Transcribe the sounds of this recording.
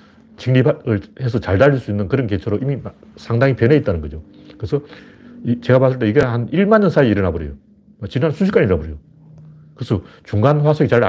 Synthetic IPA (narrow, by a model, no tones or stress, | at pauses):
t͡ɕiŋniɯɭhes̬ʰʌt͡ɕaɭdaʎːiɭs͈uinːɯnkɯɾʌnke̞t͡ɕʰʌɾoimim | sʰaŋdaŋipjʌneit͈̚anɯnɡʌd͡ʑo | kɯɾesʰʌ | it͡ɕe̞ɡapas̬͈ʰɯɭt͈e̞iɡeɦaniɭmaɲːʌnsʰaiiɾʌnabʌɾjo̰jo | et͡ɕinansʰuɕ̬ʰi̥k͈aɲiɾnabʌɾijo | kɯɾesʰʌt͡ɕuŋɡanɸwasʰoɡit͡ɕaɾa